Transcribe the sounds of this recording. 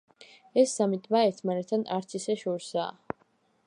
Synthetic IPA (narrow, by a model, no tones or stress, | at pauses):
ɛsːamit̪ʼmaɛɾt̪ʰmanɛt̪ʰːanaɾt̪sʰisɛʃɔɾsa̰ː